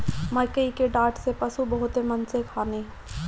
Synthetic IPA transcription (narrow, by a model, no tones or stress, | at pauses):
mɐkəikeɖaːʈsepɐsubɐɦʊt̪emənsekʰaːneː